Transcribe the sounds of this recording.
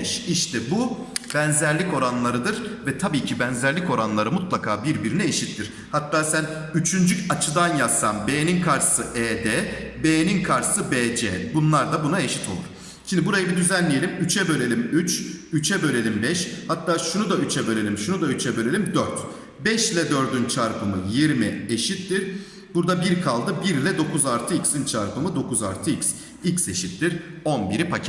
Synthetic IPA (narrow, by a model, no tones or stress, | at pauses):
ʃiʃt̪ʰɛbub̥ɛnzæɾlʲico̞ɾanlˠaɾɯd̪ɯɾvɛt̪ʰabiːcʰibænzæɾlʲico̞ɾanlˠaɾɯmut̪lˠakʰaːbiɾbiɾinɛeʃit̪ʰːiɾ̥ | hat̪ːaːsæn | yt͡ʃʰynd͡ʒycat͡ʃʰɯd̪anjasːanbeːninkʰaɾsɯʔeːd̪ɛbeːninkʰaɾsɯbeːd͡ʒɛ̰bunlˠaɾd̪abunae̞ʃi̥t̪ʰo̞lˠṵɾ̥ | ʃimd̪ibuɾajɯbid̪yzænlʲije̞lʲimyt͡ʃʰɛbø̞lʲe̞lʲimyt͡ʃyt͡ʃʰɛbø̞lʲe̞lʲimbɛʃhat̪ːaːʃunud̪ayt͡ʃʰɛbølʲe̞lʲimʃunud̪ayt͡ʃʰɛbø̞lʲe̞lʲimd̪øɾt̪ | bɛʃlʲɛd̪ø̞ɾd̪ynt͡ʃʰaɾpʰɯmɯjiɾmieʃit̪ːiɾ | buɾd̪abiɾkʰalˠd̪ɯbiɾlʲɛd̪o̞kʰuzaɾt̪ʰɯicsint͡ʃʰaɾpʰɯmɯd̪o̞kʰuza̰ɾt̪ʰɯiks | icse̞ʃit̪ːiɾo̞nbiɾipʰacʰɛ